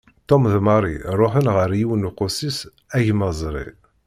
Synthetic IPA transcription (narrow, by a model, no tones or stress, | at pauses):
t̪omðmɑɾˤiɾˤoħənʁəɾjiwənuqʊsis | æʝmɑzˤɾˤḭ